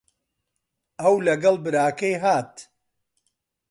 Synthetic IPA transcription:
ɐwlɐɡɐlˠbɨɾaːkɐjɦaːt̪

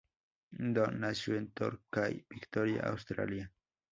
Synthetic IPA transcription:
nd̪onasuent̪oɾkajb̥ikt̪oɾja̰ʔa̰wst̪ɾa̰lja

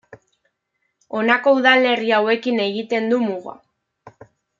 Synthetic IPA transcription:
o̞nako̞uðale̞riawe̞kine̞ɣit̪e̞nd̪umuɣa̰

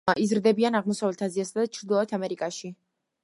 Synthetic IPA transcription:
ʔizɾd̪ɛbianaʁmɔsavlɛt̪ʰaziasad̪at͡ʃʰɾd̪ilˠɔɛt̪ʰamɛɾikʼaʃi

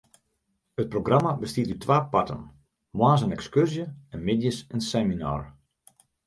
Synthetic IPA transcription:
ət̚proɡramabəstiətytʋaːpatə̰n | mwaːns̬ənɛkskørzjəɛnmɪdjəsənsɛmina̰ːr

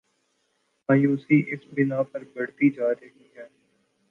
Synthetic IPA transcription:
maːjuːsiːʔɪsbɪnaːpəɾbəɽt̪iːd͡ʒaːɾəɦiːɦɛː

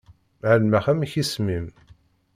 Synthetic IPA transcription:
ʕəlmaχæmçismim

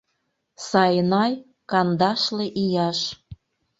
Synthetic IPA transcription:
sɑjnɑj | kɑnd̪ɑʃleʔijɑʃ

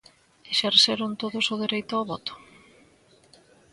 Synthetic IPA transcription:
eʃeɾseɾʊnt̪oðʊsʊðeɾejt̪ʊaβɔt̪ʊ̥

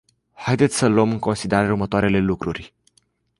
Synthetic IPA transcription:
hajd̪et̪sʲsəloəmɨŋko̞nsid̪e̞ɾaɾeurmət̪oaɾe̞le̞lukɾurʲ

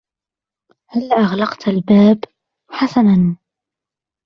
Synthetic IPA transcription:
halːʔaɣlɑqt̪albaːb | ħasanan

